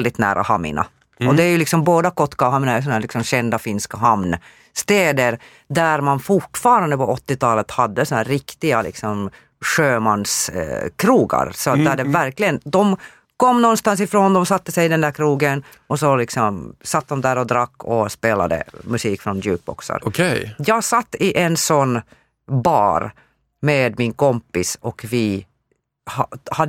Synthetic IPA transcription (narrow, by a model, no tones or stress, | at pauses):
ld̪ɪt̪næ̰ːɾʔa̰ha̰mɪ̰na̰ | ɔd̪ɛæjɵlɪksɔmboːd̪akɔt̪ːkaɦamɪnajsɔnæːlɪksɔmɕɛnd̪afɪnskaɦamn | st̪eːd̪əɾ | d̪æɾmanfʊʈfɑːɾand̪əpɔɔt̪ːɪt̪ʰɑːlət̪had̪ːəsɔnhæːɾːɪkt̪ɪɡalɪ̰ksɔm | ʂøːmanskʰɾuːɡa̰ɾsɔt̪̚d̪æɖɛvæɾklɪɡənd̪ɔm | kɔmːnɔnst̪ans̬ɪfɾoːnd̪ɔmsat̪ːəsɛjɪd̪ɛnd̪æɾkʰɾuːɡən | ʔɔsɔlɪksɔmsat̪ːd̪ɔmd̪æːɾɔd̪ɾakʰːɔspeːla̰d̪ə̰mʉsiːkfɾɔndʉ̰ːk̚bɔ̰ksa̰ɾɔkʰɛjɑːɡsat̪ːɪʔɛnsɔnː | bɑ̰ːɾ | meːd̪mɪnkʰɔmpɪsɔkvɪ | hahad̪